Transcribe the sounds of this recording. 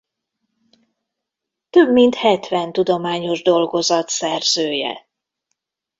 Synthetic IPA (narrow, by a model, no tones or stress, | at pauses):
t̪øbmint̪hɛt̪ʋɛnt̪ud̪o̞maːɲo̞ʒd̪o̞lɡo̞zɒt̪sɛrzøːjɛ̰